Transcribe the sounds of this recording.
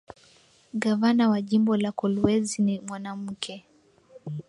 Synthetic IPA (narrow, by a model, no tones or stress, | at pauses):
ɡavanawaʄimbɔlakɔluwɛzinimwanam̩kʰɛ